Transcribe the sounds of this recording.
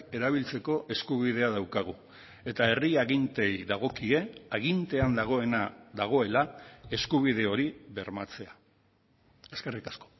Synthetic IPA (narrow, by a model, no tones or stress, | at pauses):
e̞ɾaβ̞ilt͡se̞ko̞ʔe̞skuβ̞ið̞e̞aðawkaɣ̞u | e̞t̪ae̞riaɣint̪e̞jðaɣ̞o̞kie̞aɣ̞int̪e̞and̪aɣ̞o̞e̞nad̪aɣ̞o̞e̞lae̞skuβ̞ið̞e̞o̞ɾiβe̞ɾmat͡se̞a | e̞ske̞rikasko̞̥